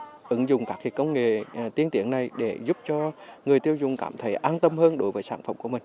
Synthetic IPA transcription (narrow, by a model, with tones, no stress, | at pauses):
ʔɨ˨˧˦ŋzʊ˨˩ŋ͡mkaː˦˥k̚h̪ʰi˨˩t̚kə˧wŋ͡mŋḛ˧˨t̪i˧ənt̪i˨˧˦əŋna˨˩jɗe˧˩zʊ˦˥p̚t͡ɕɔ˧ŋɨ˨˩əjt̪i˧əwzʊ̰˨˩ŋ͡mkaː˧˩mt̪ʰə˨˦jʔaː˧nt̪ə˧mhəː˧nɗo˨˦jvəː˨˦jsaː˧˩nfə˧˩mku˧˩əmï˨˩ŋ̟